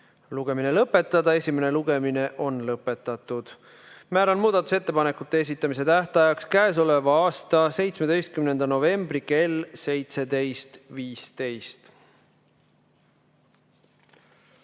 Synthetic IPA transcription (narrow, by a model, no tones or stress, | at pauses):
luɡ̥e̞mine̞lɤpːe̞t̪ːˑɑd̪̥ɑe̞sʲime̞ne̞luɡ̥e̞mine̞ʔo̞nlɤpːˑe̞t̪ːˑɑt̪ːˑud̪̥ | mæːɾɑnmuːd̪ɑt̪ːˑu̥se̞t̪ːe̞pɑne̞kːˑut̪ːˑe̞es̬it̪ˑːɑmise̞t̪æht̪ɑjɑkskæes̬o̞le̞vɑɑːst̪ɑse̞jt̪sme̞d̪o̞jst̪̚kymne̞nd̪̥ɑno̞ve̞mb̥rike̞lse̞jt̪se̞d̪e̞jst̪viːst̪e̞jst̪